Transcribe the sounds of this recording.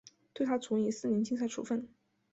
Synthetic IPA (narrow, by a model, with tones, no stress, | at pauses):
t̪we˥˧a˥t͡sʰu˧˥ŋi˧˥sɹ̩˥˩ni˧˥nt͡ɕi˥˧ŋsa˥˩ɪʈ͡ʂʰṵ˨˩fə˥˩n